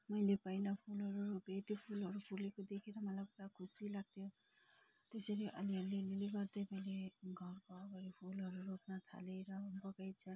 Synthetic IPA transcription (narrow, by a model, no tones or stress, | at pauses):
mʌjlepajnapʰulɦʌɾuɾopet̪ipʰulɦʌɾupʰulekod̪ekʰeɾʌmʌlajkuɽakʰusilaɡ̚t̪ʰjo | t̪esʌɾiʔʌ̰liʌelileɡʌrd̪ʌjmʌjleɡʱʌrkoʌɡʌɾipʰulʌɾurop̚nat̪ʰa̰leɾʌbʌɡajt͡sʰʌ